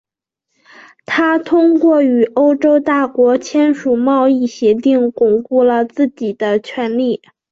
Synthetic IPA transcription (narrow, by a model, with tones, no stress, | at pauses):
t̪ʰa˥t̪ʰʊ˥ŋkwɔ˥˩y˨˩ʔo˥ʊʈ͡ʂo˥ʊt̪a˥˩kwɔ˧˥t͡ɕʰjɛ˥nʂu˨˩mɑ˥˧ʊi˥˩ɕjɛ˧˥t̪i˥˩ŋkʊ˨˩ŋpu˥˩lə˨t͡sɹ̩˥˩t͡ɕi˨˩d̪̥ə˦t͡ɕʰɥɛ˧˥nli˥˩